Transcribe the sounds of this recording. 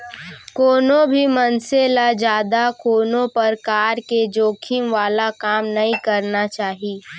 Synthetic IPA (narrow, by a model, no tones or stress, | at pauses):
koːnõbʱimɐnselad͡ʒjaːd̪akoːnõpɐɾkaːɾked͡ʒoːkʰimʋaːlakaːmnɐɦĩkɐɾnat͡ʃaːɦiː